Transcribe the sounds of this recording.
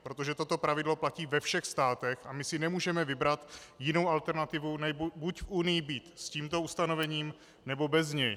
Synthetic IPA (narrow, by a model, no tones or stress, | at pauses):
pɾo̞t̪o̞ʒɛt̪o̞t̪o̞pɾavɪdlo̞placiːvɛfʃɛxst̪aːt̪ɛxamɪsɪnɛmuːʒɛmɛvɪbɾat̪jɪno̞wʔalt̪ɛɾnat̪ɪvunɛbbucfʔunɪjɪbit̪sciːmt̪o̞ust̪ano̞vɛɲiːm | nɛbo̞bɛzɲɛj